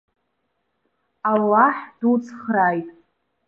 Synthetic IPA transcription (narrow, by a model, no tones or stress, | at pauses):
alːaħd̥ut͡sʰχrajtʼ